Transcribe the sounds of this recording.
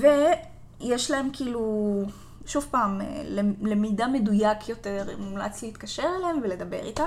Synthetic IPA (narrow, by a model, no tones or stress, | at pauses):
ve | jeʃlae̞mkiːlu | ʃuvpaːmḛlele̞midame̞dujakjote̞ʁemula̰t͡sliːtkaʃeʁelemvele̞d̪ɐbe̞̰ʁit̪a